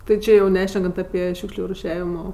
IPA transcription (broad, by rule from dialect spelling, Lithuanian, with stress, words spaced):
tʲɪ ˈt͡ʃʲɪ jɛʊ ˈnʲæːʃʲnʲɛkɐnt ɐpʲɪ ˈʃʲuːkʃʲlʲʊ rʊˈʃʲæːʋʲɪmoː